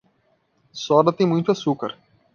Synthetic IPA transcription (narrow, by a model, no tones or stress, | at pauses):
sɔd̪ɐt̪ẽj̃mũj̃t̪ʊasukɐɾ